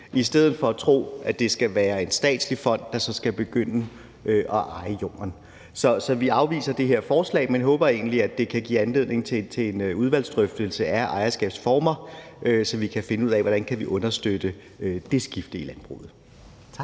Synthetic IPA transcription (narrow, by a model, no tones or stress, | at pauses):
ʔisd̥eð̞̰̩ˠfɒ̽æt͡sʰʁo̝̰ːʔæd̥e̝sɡ̥æʋæːɐe̝nsd̥ɛ̰ːd̥slifɒ̽n̰d̥ːɑ̈sɒ̽sɡ̥æb̥e̝ɡ̥øn̰ə | ʔøʔɒ̽ʔɑ̈ɪəjom̰ɐn | sɒ̽sɒ̽ʋiɑ̈ʊʋḭːsɐd̥e̝ɦeɐ̰fɒːslɛ̰ːɪmenɦɔ̽ːb̥ɐe̝ːnliæd̥e̝kʰæɡ̥ḭːænle̝ð̰ˠne̝ŋ̩t͡sʰe̝t͡sʰe̝enuð̞ˠʋæl̰sd̥ʁœfd̥əlsəʔæɐʔɑ̈ɪɐsɡ̥ɛ̰ːb̥sfɒːmɐ | ʔøsɒ̽ʋikʰæfe̝nəuð̰ˠɛʋɒɾ̥ænkʰæʋiʔɔ̽nɐsd̥ød̥ə | d̥e̝sɡ̥ifd̥əilænb̥ʁṵːð̞̩ˠʰ